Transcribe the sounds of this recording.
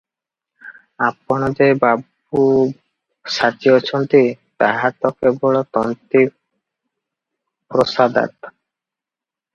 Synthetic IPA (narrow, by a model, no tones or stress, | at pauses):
apːɔnɔd͡ʒebab | u | ʃat͡ɕiɔt͡ɕʰɔnt̪i | t̪aɦat̪ɔkebɔɭɔt̪ɔnt̪i | pɾosad̪a̰t̪